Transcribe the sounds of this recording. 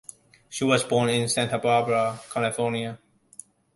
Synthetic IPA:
ʃiwɔzbɔːnɪ̃nsæ̃ntʰəbabɹəkʰælɪfɔniə

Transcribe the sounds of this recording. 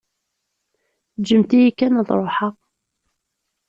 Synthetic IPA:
d͡ʒəmt̪ijikːænəðˤɾˤoħɑʁ

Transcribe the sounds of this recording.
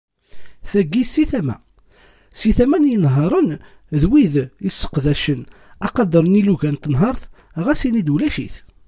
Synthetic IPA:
θæɡːisiθæmæ̰ | siθæmænjənɦəɾˤən | ðwiðjəsːə̥qðæʃən | ɑqɑd̪əɾˤniluʝænt̪ːənɦɑɾˤθ | ʁæsinid̪wlæʃḭθ

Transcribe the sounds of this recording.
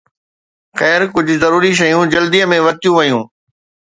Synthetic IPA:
xɛːɾkʊd͡ʑʱʊ̆zɐɾuːɾiʃ̬ɐjũd͡ʑɐld̪iəmẽʋɐt̪ijũʋɐjũː

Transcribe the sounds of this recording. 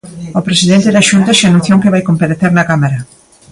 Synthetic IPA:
opɾesiðent̪eðaʃunt̪aʃanoθjoŋkeβajkompaɾeθeɾnɐkamaɾɐ

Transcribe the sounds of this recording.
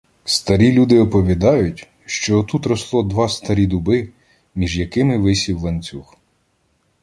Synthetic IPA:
st̪ɐɾʲilʲud̪ɪɔpɔʋʲid̪ɑjʊtʲ | ʃt͡ʃɔːt̪ut̪ɾɔslˠɔd̪ʋɑst̪ɐɾʲid̪ʊbɪ | mʲiʒjɐkɪmɪʋɪsʲiwlˠɐnʲt͡sʲux

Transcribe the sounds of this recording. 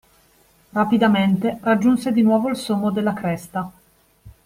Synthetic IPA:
rapid̪ament̪erad͡ʒːunsed̪inwɔːvoilsomːod̪elːakɾɛst̪a

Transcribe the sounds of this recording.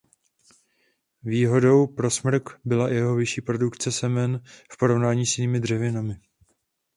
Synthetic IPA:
viːɦo̞do̞wpɾo̞smr̩kbɪlajɛɦo̞vɪʃiːpɾo̞dukt͡sɛsɛmɛnfpo̞ɾo̞vnaːɲiːsjɪniːmɪd̪r̝ɛvɪnamɪ

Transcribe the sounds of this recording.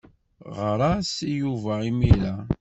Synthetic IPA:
ʁəɾˤasijuvæimiɾæ

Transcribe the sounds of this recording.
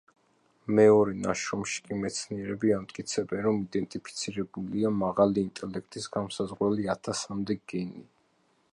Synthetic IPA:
mɛɔɾɛna̰ʃɾɔmʃi̥kʼimɛt̪sʰniɛɾɛbiamt̪ʼkʼit̪sʰɛbɛnɾɔmid̪ɛnt̪ʼipʰi̥t̪sʰiɾɛbuliamaʁaliːnt̪ʼɛlɛk̚ʰt̪ʼisɡamsazʁwɛliat̪ʰasamd̪ɛɡɛni

